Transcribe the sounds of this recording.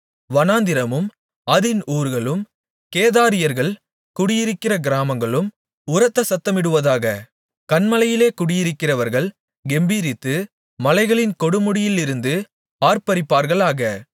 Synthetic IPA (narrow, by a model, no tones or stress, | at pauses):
ʋɐnaːnd̪ɪɾɐmɯm | ɐðɪnuːɾɣɐɭɯm | keːðaːɾɪjɐɾɣɐɭ | kʊɽɪjɪɾɯkːɪrɐɡɪɾaːmɐŋɡɐɭɯm | ʊɾɐt̪ːɐsɐt̪ːɐmɪɽɯʋɐðaːɣɐ | kɐnmɐlɐjɪleːkʊɽɪjɪɾɯkːɪrɐʋɐɾɣɐɭ | ɡɛmbiːɾɪt̪ːɯ | mɐlɐɪɣɐɭɪnkɔɽɯmʊɽɪjɪlɪɾɯnd̪ɯ | aːɾpɐɾɪpːaːɾɣɐɭaːɣɐ